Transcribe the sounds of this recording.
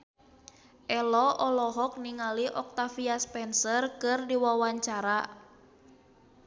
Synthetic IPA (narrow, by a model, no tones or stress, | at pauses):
ʔɛlɔʔɔlɔɦɔk̚niŋaliʔɔk̚t̪afiaspɛnsərkɨrdiwawaɲt͡ʃaɾa